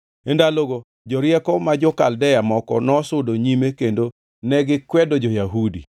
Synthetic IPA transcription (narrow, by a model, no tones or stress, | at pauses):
endaloɡo | d͡ʒɔɾjɛkɔmad͡ʒɔkaldɛjamɔkɔ̰nɔsʊdoɲimekendo | nɛɡɪkwɛdɔd͡ʒɔjaɦudḭ